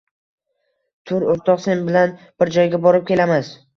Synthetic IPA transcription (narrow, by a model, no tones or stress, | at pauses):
t̪ʰʊɾoɾt̪ʰɒqse̞nbɪlanb̥ɪɾd͡ʒɒjɡʲabɒɾɪp̚kʲe̞lamaz